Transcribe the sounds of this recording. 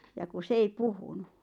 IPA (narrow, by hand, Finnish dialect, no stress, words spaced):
jɑ ku s ei puhunu